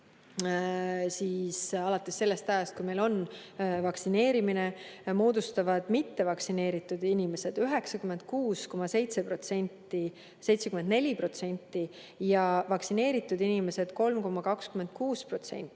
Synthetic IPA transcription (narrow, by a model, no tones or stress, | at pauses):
siːsɑlɑt̪ːˑesːe̞lːe̞st̪æjɑst̪̚kujme̞lo̞nvɑksine̞ːɾimine̞mo̞ːd̪ust̪ɑvɑd̪̥mit̪ːe̞vɑksine̞ːɾit̪ːˑud̪inime̞se̞d̪̥yɦe̞ksɑkymend̪̥̚kuːsko̞mɑse̞jt̪se̞pro̞t̪se̞nʲt̪ːˑi | se̞jt̪sekymːend̪ne̞lʲipro̞t̪se̞nʲt̪ːˑi | jɑvɑksine̞ːɾit̪ːˑud̪inime̞se̞d̪̥ko̞lmko̞mːɑkɑkskyme̞nd̪̥̚kuːspro̞t̪sḛnʲt̪ːˑi̥